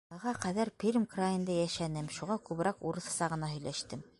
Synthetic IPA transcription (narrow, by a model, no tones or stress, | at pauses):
ɑʁɑqæðæɾpʲiɾʲmkrajĭnd̪ɑjæʃænɘmʃuʁɑkʉβɘ̆ɾɑquɾɤ̆θɤ̆sɑʁɤ̆nɑɦɵ̆jlæʃt̪ɘm